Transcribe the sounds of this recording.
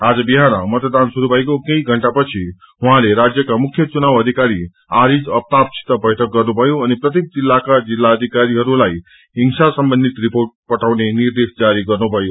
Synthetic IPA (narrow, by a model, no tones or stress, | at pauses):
ad͡ʒbiɦaɾã̰mət̪d̪ansuɾubʱajɡokə̃iɡʱəɳʈapət͡ʃʰi | ɦuɦãɾeɾad͡ʒjəkamʊkʰjət͡ʃunaʋəd̪ʱikaɾi | aɾid͡ʒəp̚t̪ap̚t͡ʃʰi̥t̪əbəjʈʰək̚ɡəɾnũpəjũənepɾət̪im̚d͡ʒilːakad͡ʒilːaəd̪ʱikaɾiɦəɾũlai | iŋʃasəmbənd̪it̪ɾipoɾʈ̚pəʈʰaʋneniɾd̪eʃd͡ʒaɾiɡəɾnũpəjũ